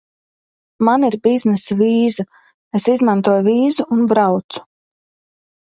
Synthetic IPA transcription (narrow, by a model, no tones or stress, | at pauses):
maniɾbiznɛsaviːza | esizmãnt̪uɔjuviːzuːnbɾawt̪su̥